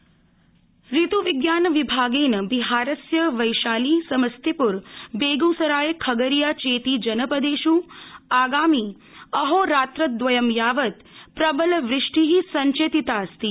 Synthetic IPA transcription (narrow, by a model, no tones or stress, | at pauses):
ɾit̪uʋɪɡjaːnʋibʱaːɡeːnəbiɦaːɾəsjəʋɐjʃaːliːsɐməst̪ipuɾbeːɡusɐɾaːjekʰɐɡəɾijaːt͡ʃeːt̪id͡ʒɐnəpəd̪eːʃuaːɡaːmi | ɐɦoːɾaːt̪ɾət̪̚d̪ʋɐjəmjaːʋət̪ | pɾɐbəlʋɾɪʂʈiɦisɐɲt͡ʃeːt̪it̪aːɐst̪i